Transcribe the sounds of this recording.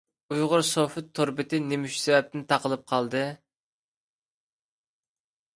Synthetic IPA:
ujʁʊɾsofɨt̪ʰːoɾbɪt̪ʰɪnemyʃsɛvɛp̚t̪ɪnt̪ʰɑqəlˠɨp̚qʰɑlˠd̪ɨ

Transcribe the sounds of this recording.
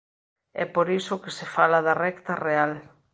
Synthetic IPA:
ɛ̰poɾisʊkesefalaðɐrɛkt̪ɐreal

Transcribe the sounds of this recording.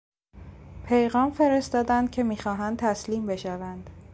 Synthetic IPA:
pʰe̞jɣɒːmfe̞ɾe̞st̪ɒːd̪ænd̪̥̚kcʰe̞miːxɒːɦænd̪̚t̪ʰæsliːmbe̞ʃævænd̪̥

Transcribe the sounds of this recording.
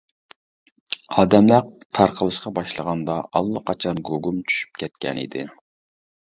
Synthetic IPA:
ɑːd̪ɛmlæt̪ʰɑɾqʰəlˠɨʃqɑbɑʃlˠəʁɑnd̪ɑʔɑ̰lˠːəqʰɑt͡ʃʰɑnɡoɡumt͡ʃʰy̥ʃy̥p̚kʲʰɛt̪̚kʲɛ̰nḭd̪ɪ

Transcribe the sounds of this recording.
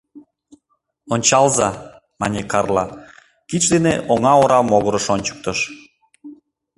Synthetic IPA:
onʲt͡ɕɑlzɑ | mɑnʲekɑrlɑ | kit͡ɕd̪eneʔoŋɑoɾɑmoɣoɾəʃonʲt͡ɕə̥k̚t̪əʃ

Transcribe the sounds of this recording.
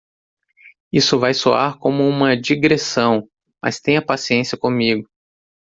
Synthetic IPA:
isʊvajsoa̰ɾkõmʊũmɐd͡ʒiɡɾesɐ̃w̃ | mɐ̰st̪ẽj̃ɐpasiẽsjɐkõmiɡʊ

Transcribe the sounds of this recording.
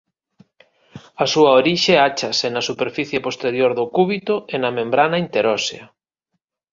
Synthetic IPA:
ɐsuɐoɾiʃeat͡ʃɐsenɐsupeɾfiθjepost̪eɾjoɾðʊkuβit̪ʊenɐmẽmbɾanɐint̪eɾɔseɐ

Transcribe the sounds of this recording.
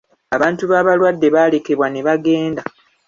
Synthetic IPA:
aβaːntuβaːβalwadːe̞βaːle̞ke̞βwane̞βaɡe̞ːnda

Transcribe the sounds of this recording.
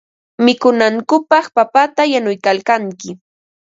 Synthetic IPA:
mɪkʊnaŋkʊpɑχpapat̪ajanʊjkalkaŋkɪ

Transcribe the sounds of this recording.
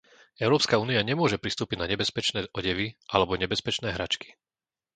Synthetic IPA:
ɛʊɾɔːpskauːniaɲɛmʊɔʒɛpɾist̪uːpiɟnaɲɛbɛspɛt͡ʃnɛːʔɔɟɛʋiʔalɛbɔɲɛbɛspɛt͡ʃnɛːɦɾa̰t͡ʃki̥

